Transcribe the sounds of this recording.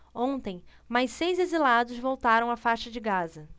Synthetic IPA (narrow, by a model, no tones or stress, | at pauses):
õnt̪ẽj̃ | majssejzezilad̪ʊzvowt̪aɾɐ̃w̃afaʃɐd͡ʒɪɡazɐ